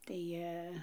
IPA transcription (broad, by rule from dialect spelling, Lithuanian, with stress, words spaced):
tɐɪ ˈjiɛ